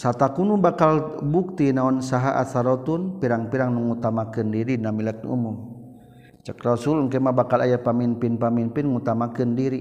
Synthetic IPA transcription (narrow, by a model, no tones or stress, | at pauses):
sat̪akunubakalbuk̚t̪inaɔnsaɦaʔa̰saɾɔt̪unpiɾaŋpiɾaŋnuŋut̪amakɨndiɾinamilɛk̚nṵmum | t͡ʃəkrɔsulŋkɛmabakalajapaminpinpamimpinŋut̪amakɨndiɾi